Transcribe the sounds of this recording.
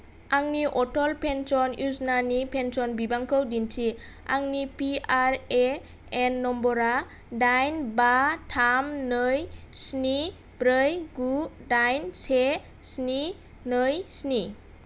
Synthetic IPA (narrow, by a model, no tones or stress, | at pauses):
aŋniʔɔtɔlpʰensɔnjusnanipʰensɔnbibaŋkʰɯwdintʰi | a̰ŋnipiaɾe | enːɔmbɔɾa | dajnbatʰamnɯjsni | bɾɯjɡudajnse | sni | nɯjsni